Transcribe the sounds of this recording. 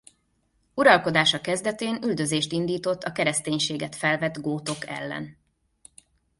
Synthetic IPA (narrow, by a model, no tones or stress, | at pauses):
uɾɒlko̞d̪aːʃɒkɛzd̪ɛt̪eːnyld̪ø̞zeːʃt̪ind̪iːt̪o̞t̪ʰːɒkɛɾɛst̪eːɲʃeːɡɛt̪fɛlvɛd̪ɡoːt̪o̞kɛ̰lːɛ̰n